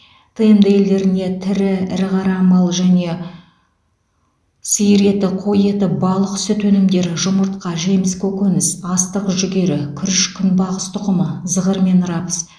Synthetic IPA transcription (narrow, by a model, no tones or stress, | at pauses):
t̪ʰəjəmd̪əe̞ld̪e̞ɾɪne̞t̪ʰɪɾɪɪɾɪʁɑɾɑmɑlˠʒæne̞ | sijɾe̞t̪ɪqʰo̞je̞t̪ɪbɑlˠəqʏ̥sɪt̪wɵnɪmd̪e̞ɾʒʊməɾt̪̚qɑʒe̞mɪskʲʰɵkʲɵnɪsɑst̪əqʒʏɡʲe̞ɾɪkʲʰʏɾɪʃkʲʰʏnbɑʁəst̪ʰʊqəməzəʁəɾme̞nɾɑpə̥s